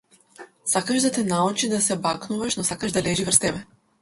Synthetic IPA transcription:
sakaʒd̪at̪ɛnaut͡ʃid̪asɛbaknuvaʃnɔsakaʒd̪alɛʒivrɾst̪ɛbɛ

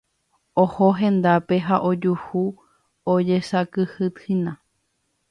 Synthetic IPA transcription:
ohoɦẽ̞nd̪ape̞ɦaʔod͡ʒuhu | od͡ʒesakɨhɨt̪hinã

